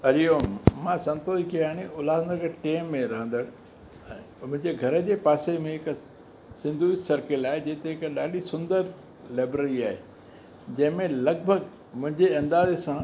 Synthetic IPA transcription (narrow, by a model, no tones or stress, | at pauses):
ɐɾijoːmmãsɐ̃nt̪oːd͡ʑkijaːɽ̃iʊlaːd̪nəkʈeːmːẽɾɐɦə̃nd̪əɽ̃ | ɛ̃ː | mʊ̃ɦɪ̃ɲd͡ʑeɡʱɐɾə̆d͡ʑeːpaːsemẽɦɪk | sɪ̃nd̪ʱuisɐɾkɪlaːɦed͡ʑeːt̪eɦɪkɗaːɗisʊ̃nd̪əɾ | laːbɾəɾiaːɦḛː | d͡ʑɐ̃ɦɪ̃mẽlɐɡ̚bʱəɡ | mʊ̃ɦɪ̃ɲd͡ʑeɐ̃nd̪aːzesã